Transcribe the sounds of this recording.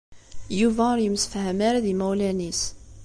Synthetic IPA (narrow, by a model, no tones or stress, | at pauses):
juvæɾjəmsfhəmaɾaðimæwlænis